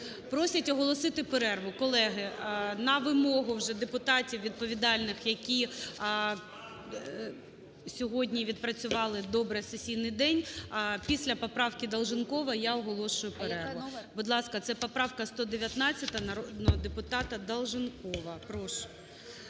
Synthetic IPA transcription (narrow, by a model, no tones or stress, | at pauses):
pɾɔsʲɐtʲɔɦɔlˠɔsɪt̪ɪpeɾɛrʋʊkɔlˠɛɦɪnɐʋɪmɔɦʊwʒɛd̪epʊt̪ɑtʲiwʋʲid̪̚pɔʋʲid̪ɑlʲnɪxjɐkʲi | sʲɔɦɔdʲnʲiʋʲid̪̚pɾɐt͡sʲʊʋɑlˠɪd̪ɔbɾɪɐsesʲijnɪjd̪ɛnʲpʲisʲlʲɐpɔpɾɑwkʲid̪ɐlˠʒɪnkɔʋɐjaɔɦɔlˠɔʃʊjʊpeɾɛrʋʊbʊd̪lˠɑskɐt̪sɛpɔpɾɑwkɐst̪ɔd̪eʋʲjɐt̪nɑt͡sʲːɐt̪ɐnɐɔd̪nɔd̪epʊt̪ɑt̪ɐd̪ɐlˠʒɪnkɔʋɐpɾɔʃʊ̥